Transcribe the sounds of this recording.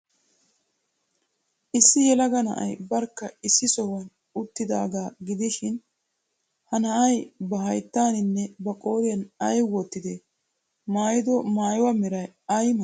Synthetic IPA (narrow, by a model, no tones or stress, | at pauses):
ʔɪsːɪjɛlɐɡɐnɐ̰ʔɐ̰jbɐɾkːɐɪsːɪsɔwɐn | ʊt̪ːɪd̪a̰ːɡaːɡɪd̪ɪʃɪn | hɐnɐʔɐjbɐhɐjt̪ːaːnɪnːɛbɐkʼo̞ːɾɪjɐnɐjwɔt̪ːɪd̪e | maːjɪd̪ɔmaːjwɐmɛɾɐjɐjmɐ